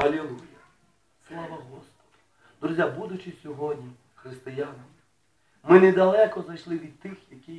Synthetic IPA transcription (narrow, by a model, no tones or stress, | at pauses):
ɐlʲelˠujɐ | slˠɑʋɐɦɔspɔ̥d̪̥ʊ̥ | d̪ɾuzʲjabud̪ʊt͡ʃɪsʲɔɦɔdʲnʲi | xɾɪst̪ɪjanm | mɪnɛd̪ɐlˠɛkɔznɐjʃlˠɪʋʲid̪̚t̪ɪxjɐkʲij